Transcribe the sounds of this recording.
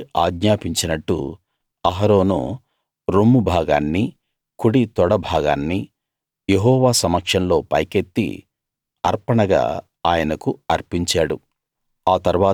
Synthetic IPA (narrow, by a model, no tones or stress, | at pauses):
aːɡɲaːpiɲt͡ʃinɐʈːṵ | ɐɦɐɾo̞ːnṵ | ɾomːubʱaːɡaːnːi | kuɽit̪ɔɽɐbʱaːɡa̰ːnːi | jeɦɔːʋaːsɐmɐkʂɐnlo̞ːpɐjket̪ːḭ | ɐɾpɐɳɐɡa̰ː | aːjɐnɐkuɐɾpiɲt͡ʃaːɽṵ | aːt̪ɐɾʋaː